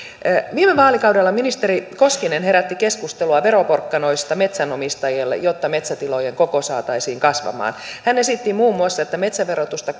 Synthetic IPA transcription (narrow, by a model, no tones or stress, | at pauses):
ʋiːmeʋɑːlikɑudelːɑminist̪eɾikoskinenhe̞ɾæt̪ːikeskust̪eluɑʋeɾoporkːɑno̞ist̪ɑmet̪sænomist̪ɑjelːḛjot̪ːɑmet̪sæt̪ilojeŋkokosɑːt̪ɑisiːŋkɑsʋɑ̰mɑ̰ːnhænesit̪ːimuːmːuɑsːɑet̪ːæme̞t̪sæʋeɾot̪ust̪ɑ